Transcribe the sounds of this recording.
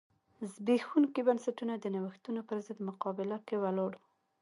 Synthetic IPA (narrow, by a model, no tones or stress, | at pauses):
zbexuŋkibansaʈunad̪ənawəxt̪unopəɾzɪd̪mʊqɑbɪlakewaloɽ